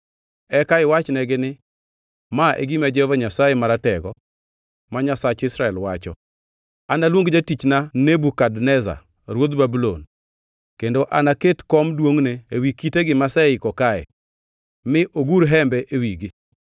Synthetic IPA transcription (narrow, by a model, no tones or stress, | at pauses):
ɛkaɪwat͡ʃnɛɡɪnɪ | maʔḛɡimad͡ʒɛvaɲasajɛmaɾatɛɡɔ̰ | maɲasat͡ʃɪsɾaɛlwat͡ʃɔ̰ | analwoŋɡd͡ʒatit͡ʃnanebukadnɛza̰ | ɾwod̪babulo̰n | kendoʔanaketkɔmdwoŋneewikiteɡɪmasɛɪkɔkaɛ̰ | mɪʔoɡuɾɦɛmbɛʔewiɡɪ